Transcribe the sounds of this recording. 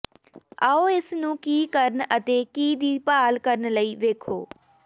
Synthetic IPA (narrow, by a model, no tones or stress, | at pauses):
aːoːɪsnũːkiːkəɾnət̪eːkiːd̪iːpaːlkəɾənləiːʋeːkʰo̰ː